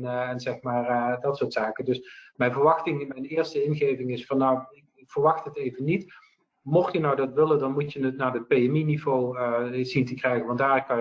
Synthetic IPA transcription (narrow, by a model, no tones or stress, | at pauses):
ɛnzɛxmaːrdɑtsʊːɹtsaːkədɵsmɛjnvəɹʋɑxtɪŋmɛjnɪːɹstəɪnɣejvɪŋɪsfɑnːawɪkɪkfəɹʋɑxtɦətejvənːit | mɔxjənawdɑtʋɪləndɑnmutjənətnaːdəpejɛminivowzintəkrɛjɣənʋɑndaːrkːɑ